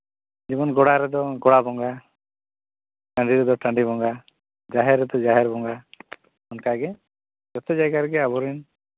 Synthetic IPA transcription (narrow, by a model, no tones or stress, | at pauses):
d͡ʒimɔnɡɔɽaɾɛd̪ɔɡɔɽabɔŋɡa | ʈãɳɖiɾɛd̪ɔʈãɳɖibɔŋɡa | d͡ʒaɦɛɾːɛd̪ɔd͡ʒaɦɛɾbɔŋɡa | ɔnkaɡɛ | d͡ʒɔt̪ɛd͡ʒajɡaɾɛɡɛabɔɾɛn